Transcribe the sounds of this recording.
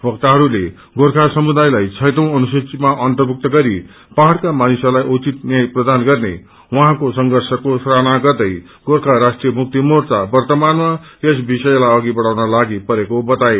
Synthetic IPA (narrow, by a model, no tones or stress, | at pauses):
bʱʌk̚t̪aɦʌɾule | ɡorkʰasʌmud̪ajlajt͡sʰʌjt̪ʌ̃w̃ʌnusit͡simaʔʌnt̪ʌrbʱuk̚t̪ʌɡʌɾi | paɦɽkamanisʌlajʔut͡sit̪njajprʌd̪anɡʌrnḛ | wʌɦãkosʌŋɡʱʌrsʌkosranaɡʌrd̪ʌj | ɡ̥orkʰaɾasʈrijʌmuk̚t̪imort͡sabʌrt̪ʌmanma | esbisʌjlajʌɡibʌɽawnʌlaɡipʌɾekobʌt̪aj